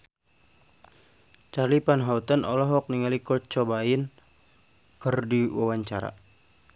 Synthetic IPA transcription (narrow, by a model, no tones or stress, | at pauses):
t͡ʃalipanɦaut̪anɔlɔɦɔk̚niŋalikɔt͡ʃɔbain | kərdiwawaɲt͡ʃaɾa̰